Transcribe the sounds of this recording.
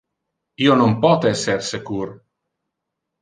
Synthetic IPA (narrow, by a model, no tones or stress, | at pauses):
ionompɔt̪eɛsersekur